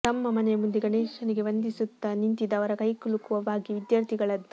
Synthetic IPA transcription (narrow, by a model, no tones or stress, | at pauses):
t̪ɐmːɐmɐnɛjmund̪iɡɐneːʃɐniɡe̞ʋɐnd̪isut̪ːɐnint̪id̪ɐʋɐɾɐkɐjkuɭukuʋɐbaːɡiʋid̪jɐɾt̪ʰiɡɐɭɐd̪u